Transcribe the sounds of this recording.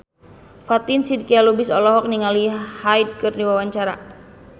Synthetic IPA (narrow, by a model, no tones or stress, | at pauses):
fat̪insidkialubɪsɔlɔɦɔk̚niŋalihajd̚kɨrdiwawaɲt͡ʃaɾa̰